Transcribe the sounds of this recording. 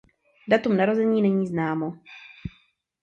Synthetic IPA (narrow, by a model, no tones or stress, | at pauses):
dat̪umnaɾo̞zɛɲiːnɛɲiːznaːmo